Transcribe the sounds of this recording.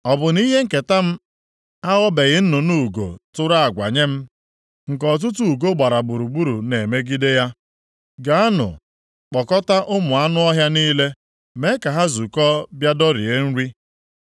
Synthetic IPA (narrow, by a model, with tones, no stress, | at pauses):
ɔ˨bʊ˨ni˦ɦe˦ŋ̩˨ke˨ta˦m̩˦ | a˦ɣɔ˦be˨ɣɪ˦n̩˦nʊ˨nu˦˨ɡo̰˨tʊ˦ɾa˦a˨ɡʷa̰˨ɲe˦m̩˦ | ŋ̩˨kɔ˨t̬ʊ˦t̬u˦u˨ɡo˦ɡ͡ba˨ɾa˨ɡ͡bu˨ɾu˨ɡ͡bu˦ɾu˨ne˨me˦ɡi˦de˦ja˦ | ɡa˨˦a˦nʊ̰˨ | k͡pɔ˨kɔ˦ta˦ʔʊ˦mʊ˨a˦nʊ˦ɔ˦ɦja˦niː˦le˦ | me˦ka˨ɦa˦zu˨kɔ˦bja˦dɔ˦ɾḭ˨e˦n̩˦ɾi˦